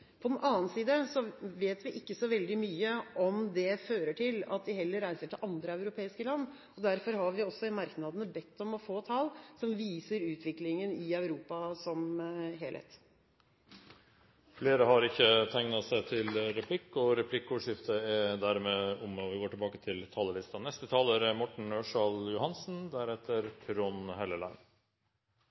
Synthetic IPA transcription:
pʰɔd̪ɛnʔɑːnsiːd̪əsɔʋeːt̪ʋɪʔɪkːəsɔʋɛld̪ɪmyːəʔɔmd̪ɛføːɾəʈʰɪlɑ̰t̪̚d̪ɪɦɛlːəɾːæɪsəʈʰɪlʔɑnd̪ɾəɑʉɾʊpʰeːɪskəlɑnː | ɔd̪æɾfɔɾhɑɾʋɪɔsːɔmɑɾknɑd̪ənəbɛt̪ːɔmɔfoːt̪ʰɑlsɔmʋiːsəɾʉːt̪ʰʋɪklɪŋənɪœʉɾuːpɑsɔmɦeːlhḛːt̪ | fleːɾəhɑɾɪçːət̪ʰæŋnɑsæɪt̪ʰɪlɾɛpʰlɪkːɔɾɛpʰlɪkːuːʂɪft̪ʰəɛd̪æɾmeːʊmɔʋɪɡoːʈʰɪlbɑːkət̪ʰɪlt̪ʰɑːləlɪst̪ɑnɛst̪ət̪ʰɑːləɾmɔʈɳ̩øːʂɑljʊhɑnsn̩d̪æɾɛt̪ʰːəɾpʰɾɔnhɛləlæ̰ɪn

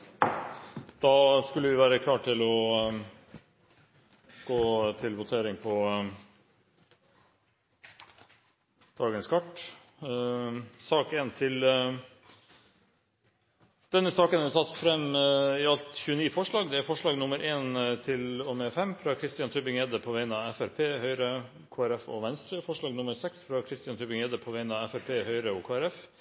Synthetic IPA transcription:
d̪̥ɑːskʉlːəʋɪʋæːɾəkʰlɑːʈʰɪlɔ | ɡ̥oːt̪ʰɪlʋʊt̪ʰeːɾɪŋpʰɔ | d̪̥ɑːɡənskʰɑʈ | sɑːkeːnt̪ʰɪl | d̪̥ɛnːəsɑːkənæsɑt̪ːfɾɛmɪɑlt̪çʉːəniːfɔʂɭɑːɡd̪ɛæɾfɔʂɭɑːɡnʊməɾʔeːnt̪ʰɪlɔmefɛmːfɾɑkʰɾɪst̪ɪjɑnt̪ʰʉbɪŋeːd̪əpʰoːʋæɪnɑːɛfæɾpʰeːhœʏɾə | kʰoːæɾɛfo̰ːʋɛnst̪ɾəfɔʂɭɑːɡnʊməɾsɛksfɾɑkʰɾɪst̪ɪjɑnt̪ʰʉbɪŋeːd̪əpʰoːʋæɪnɑɛfæɾpʰeːhœʏɾəoːkʰoːæɾɛf

